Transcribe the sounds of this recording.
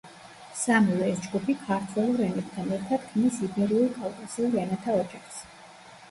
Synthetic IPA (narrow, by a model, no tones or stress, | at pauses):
samilˠɔɛsd͡ʒɡupʰikʰaɾt̪ʰwɛlˠuɾɛnɛb̚t̪ʰanɛɾt̪ʰad̪̥kʰmisibɛɾiulkʼalˠkʼasiulɾɛnɛt̪ʰaɔd͡ʒaχs